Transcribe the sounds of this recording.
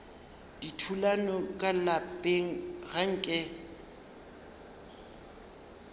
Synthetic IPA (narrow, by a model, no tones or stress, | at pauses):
d̥itʰulanɔkʼalapʼeŋ̩ɣaŋ̩kʼɛ